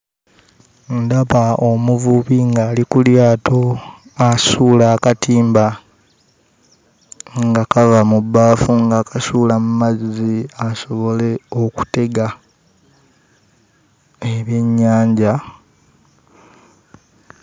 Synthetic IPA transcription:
ndaβaomuvuβiŋɡaːlikuljaːtʰo̞asuːlaːkatiːmba | ŋɡakavamubːaːfuŋɡakʰasuːlamumaziaso̞βo̞le̞o̞ku̥te̞ɡa | eβje̞ɲːaːɲɟa

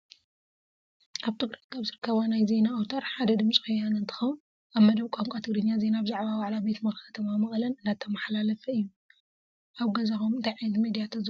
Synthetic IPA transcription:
ʔaβt̪ʰɨɡɾɐt̪kʰaβzɨɾɨkʰːɐβanajze̞naowt̪ʰɐɾħad̪ɐd̪ɨmsʼixujːanɨnt̪ʰɨ̥xɐwn | aβmɐd̪ɐβkʷʼaŋkʷʼat̪ʰɨɡd̪ɨɲːaze̞nabzaʕβawaʕlabe̞t̪mɐxɐt̪ʰɐmamɨxʼlɐnɨnat̪ʰːɐmɐħlalɐfɐɨjːu | ʔaβɡɐzaxomɨnt̪ʰajʕizmid̪ijat̪ʰɐz

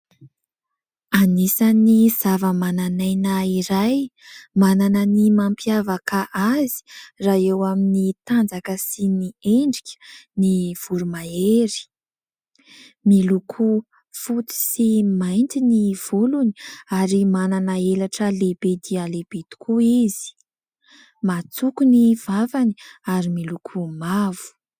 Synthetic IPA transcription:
anisaniz̥avəmananajnaiɾaj | mananənimampjavakaʔazi̥raewaminit̪and͡zakəsinieɳɖ͡ʐikʰʲə̥niv̥uɾumaeɾi̥ | milukʰu | fut̪i̥simajnt̪iniv̥uluni̥aɾimananaelaʈ͡ʂəlebed̪ialeb̥et̪u̥kʰuizi̥ | mat͡sukuniv̥avani̥aɾimilukʰumavu̥

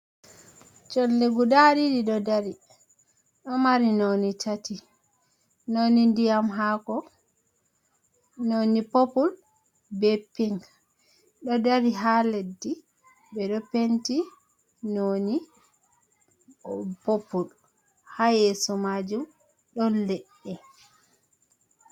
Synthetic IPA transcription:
t͡ʃɔnleɡudaɾidiɗɔdaɾi | ɗɔmaɾinonitʰati | nonindijamɦakɔ | nonipopul | bɛpiŋɡ | ɗɔdaɾiɦaledːi | bɛɗɔpenti | noni | popːul | hajɛsɔmad͡ʒum | ɗɔnlɛɗːɛ

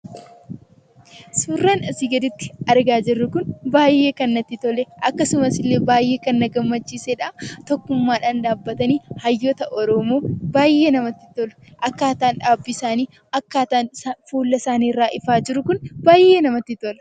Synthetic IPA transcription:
suːrːaːnɐsiːɡɐd̪ɪt̪ːɪ̥ɐɾɡaːd͡ʒɪrːʊkʊnbaːjːe̞ːkɐnːɐt̪ːɪt̪ɔlɛʔɐkːɐsʊmɐsɪlːe̞ːbaːjːe̞ːkɐnːɐɡɐmːɐt͡ʃːiːseᶑaːft̪ɔkːʊmːaːᶑaːnᶑaːbːɐt̪ɐniːhɐjːot̪ɐʔɔɾɔmoːbaːjʔeːnɐmɐt̪ːɪt̪ɔlɐ̥ʔɐkːaːt̪aːnᶑaːbːɪsaːniː | ɐkːaːt̪aːnsafuːlːɐsaːniːrːaːʔɪfaːd͡ʒɪɾʊkʊnbaːjʔe̞ːnɐmɐt̪ːɪt̪ɔlɐ̥

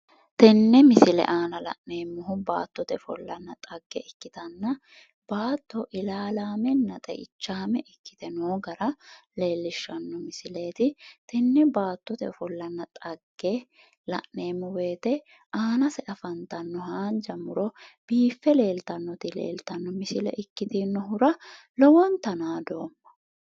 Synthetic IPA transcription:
t̪ɛnːɛmɪsɪlɛ̰ʔaːnɐlɐ̰ʔne̞ːmːʊɦʊba̰ːt̪ːɔt̪ɛfɔlːɐnːɐt̪ʼɐɡːɛʔɛkːɪt̪ɐnːɐ | b̥aːt̪ːɔʔɪlaːlaːmɛnːɐt̪ʼɛ̰ʔɪt͡ʃːaːmɛʔɪkːɪ̥t̪ɛnoːɡɐɾɐle̞ːlːɪʃːɐnːɔmɪsɪle̞ːt̪ɪt̪ɪnːɛbaːt̪ːɔt̪ɛɔfɔlːɐnːɐt̪ʼɐɡːe | lɐ̰ʔneːmʊwe̞ːt̪ɛ | aːnɐsɛʔɐfɐnt̪ɐnːɔɦaːnd͡ʒɐmʊɾɔb̥iːfːɛle̞ːlt̪ɐnːɔt̪ɪlḛːlt̪ɐnːɔmɪsɪlɛ̰ʔɪkːɪt̪ɪnːɔɦʊɾɐ | lɔwɔnt̪ɐnaːd̪o̞ːmːɐ̥

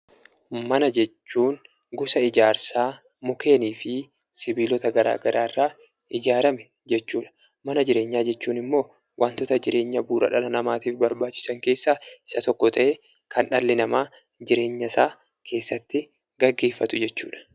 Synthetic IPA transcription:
mɐnɐd͡ʒɛt͡ʃːuːŋ | ɡʊsɐɪd͡ʒaːɾsaː | mʊkʰe̞ːniːfɪ | sɪbiːlɔt̪ɐɡɐɾa̰ːɡɐɾʔa̰ːɪrːaː | ʔɪd͡ʒaːɾɐmɛ | d͡ʒɛt͡ʃːuːᶑɐ̥ | mɐnɐd͡ʒɪɾe̞ːɲːaːd͡ʒɛt͡ʃːuːnɪmːo̞ː | wʔaːnt̪ɔt̪ɐd͡ʒɪɾʔe̞ːɲːɐbuːɾɐ̰ᶑɐlɐnɐmaːt̪iːfbɐɾbaːt͡ʃːɪ̥sɐŋke̞ːsːaːɪ̥sɐt̪ɔkːɔt̪ʰɐʔeː | kʰɐnᶑɐlːɪnɐmaː | d͡ʒɪɾe̞ːɲːɐsaː | kʰe̞ːsːɐt̪ːɪ | ɡ̥ɐɡːe̞ːfːɐt̪ʊd͡ʒɛt͡ʃːuːᶑɐ̥

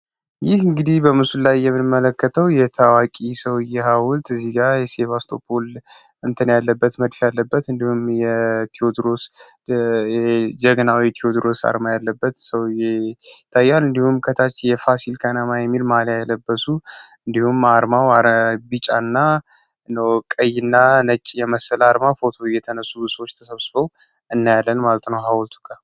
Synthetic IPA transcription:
jɪhɨŋɡɨd̪ihbəmɨsullajːɛmːɨnmːələkːət̪ʰəwjɛt̪ʰawakʼisəwjɛhawʊlt̪ɨzːiɡaɾjɛseβast̪ʰo̞bol | ɨnt̪ʰənjalːəbːət̪məd̪fjalːəbːət̪ɨnd̪ihumjɛt̪ʰiod̪ɾos | d͡ʒɛɡnawit̪ʰiod̪ɾo̞sa̰ɾmajalːəbːət̪səwjɛt̪ʰajːanɨnd̪ihumkʰət̪ʰat͡ʃːjɛfasilkʰanamajɛmːilmaljaɛləbːəsuɨnd̪ihumaɾmawaɾbit͡ʃʼanːa | nəwkʼəjːɪnːanət͡ʃʼːjɛməsəlaɾmafo̞t̪ʰo̞jːɛt̪ʰənəsːusəwo̞t͡ʃːt̪ʰəsəβsɨbəw | ɨnːajalːənmalət̪nəwɦawɔlt̪ʰu̥kʼa

